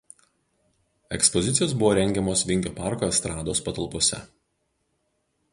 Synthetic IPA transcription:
ɛ̰kspɔzʲɪt̪sʲɪjoːsbʊʋoːɾʲɛŋʲɡʲɛmoːsʋʲɪŋʲkʲoːpɑˑɾkoːɛst̪ɾɑːd̪oːspɐt̪ɐlˠpoɔsʲɛ̰

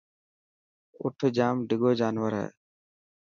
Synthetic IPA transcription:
ʊ̰ʈʰd͡ʒaːmɖəɡoːd͡ʒaːnwəɾɦɛ̰ː

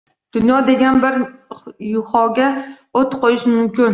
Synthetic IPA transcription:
d̪̥ʊnjɒd̪e̞ɡʲanbɪɾjʊhɒɡʲa | ot̪qʰojɪʃmʊmkʲɪn

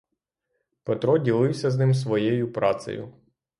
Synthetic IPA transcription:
pet̪ɾɔdʲilˠɪwsʲɐznɪms̬ʋɔjejʊpɾɑt̪sɐ̰jʊ̰

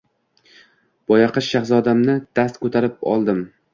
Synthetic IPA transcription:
b̥ɒjɑqɨʃːaχsɒd̪amnɪd̪̥ast̪kɵt̪ʰaɾɪp̚ɒ̰lˠd̪ɪm

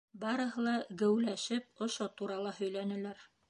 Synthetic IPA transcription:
bɑɾɤ̆ɦɤlˠɑɡɘ̆wlæʃɘp̚ŏʃot̪uɾɑlˠɑhɵ̆jlænɘ̆læɾ

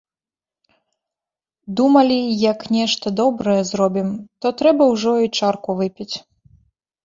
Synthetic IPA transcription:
d̪umɐlʲijɐknʲɛʂt̪ɐd̪ɔbɾɐjɛzrɔbʲimt̪ɔt̪ɾɛbɐwʐɔjt͡ʂarkuvɨpʲit͡sʲ

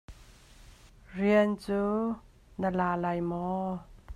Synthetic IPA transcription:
riənt͡suː | nəlaːlajmɔ

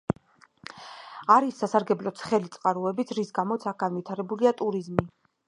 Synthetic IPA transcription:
aɾisːasaɾɡɛblɔt̪sʰχɛlit̪sʼqʼaɾuɛbit̪sʰɾisɡamɔt̪sʰaɡ̥anvit̪ʰaɾɛbuliat̪ʼuɾizmi

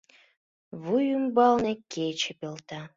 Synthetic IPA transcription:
βujymbɑlnekʰet͡ɕepelt̪ɑ

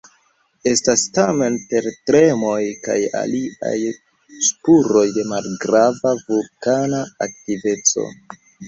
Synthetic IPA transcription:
e̞stastame̞npe̞ɾtɾe̞mo̞jka̰ja̰lia̰j | spuɾo̞jde̞malɡɾavavukanaak̚tive̞t͡so̞̰

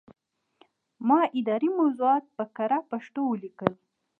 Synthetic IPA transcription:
mɑʔɪd̪ɑɾimawzuɑt̪̚pəkaɾapaʂt̪owəlikəl

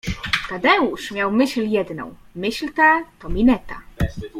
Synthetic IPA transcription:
kad̪ɛuʂmʲjawmɘɕljɛd̪nɔ̰̃w̃ | mɘɕlt̪ɛt̪ɔmʲinɛt̪a̰

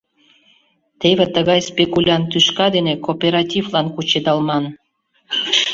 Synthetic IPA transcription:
t̪eβet̪əɣɑjspekulʲɑnt̪yʃkɑd̪enekopʲeɾɑtʲivlɑnkut͡ɕed̪ɑlmɑn

